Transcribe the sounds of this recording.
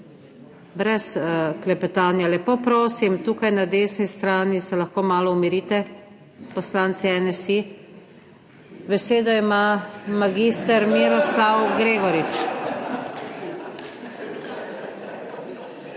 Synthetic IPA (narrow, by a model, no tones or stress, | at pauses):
bɾɛsklɛpɛt̪aːnjalɛpoːpɾoːsimt̪uːkajnad̪eːsnist̪ɾaːnisɛlaxkoːmaːlɔumiɾiːt̪ɛ | pɔslaːnt̪sɛɛnɛsi | bɛseːd̪ɔimamaɡiːst̪ɛɾmiɾɔslawɡɾeːɡɔɾit͡ʃ